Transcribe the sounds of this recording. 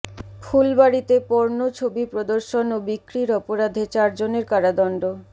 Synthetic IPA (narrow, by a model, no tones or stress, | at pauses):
fʰulbaɾit̪epoɾnot͡ɕʰobipɾod̪oɾʃonobikɾiɾɔpoɾad̪ʱet͡ɕaɾd͡ʑoneɾkaɾad̪ɔnɖo